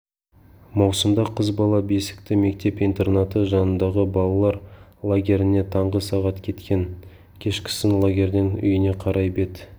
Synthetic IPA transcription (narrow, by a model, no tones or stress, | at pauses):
mɑwsəmd̪ɑqʰəzbɑlˠɑbe̞sɪ̥kt̪ɪme̞k̚t̪e̞pijnt̪e̞rnat̪əʒɑnənd̪ɑʁəbɑlˠɑlˠɑɾlˠaɡʲe̞ɾɪne̞t̪ʰɑɴʁəsɑʁɑt̪kʲʰe̞t̪kʲe̞ŋ | kʲʰe̞ʃkʲʰɪ̥sɪnlˠaɡʲe̞ɾd̪ɪŋʏ̰jɪne̞qʰɑɾʔɑjbe̞d̪ɪ